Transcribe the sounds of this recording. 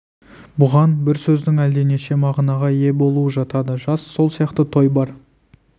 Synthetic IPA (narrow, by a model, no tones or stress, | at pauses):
bʊʁɑnbɪɾsɵzd̪ɪŋæld̪e̞ne̞ʃe̞mɑʁnɑʁɑje̞bo̞lˠuəʒɑt̪ɑd̪əʒɑsːo̞lˠsijɑqt̪ət̪ʰo̞jbɑɾ